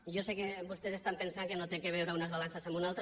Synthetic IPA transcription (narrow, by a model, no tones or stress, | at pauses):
ʒosekebust̪esest̪ampensaŋkenot̪ekeβ̞ɛwɾəunəzβalansəsamunalˠt̪